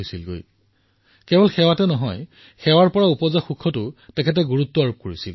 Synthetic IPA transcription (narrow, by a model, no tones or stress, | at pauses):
jsilɡo̰j | kɛbɔlxɛwatɛnɔɦɔj | xɛwaɹpɔɹaupɔzaxukʰːɔtʊtɛkʰɛt̬ɛɡuɹutːɔaɹup̚koɹisḭl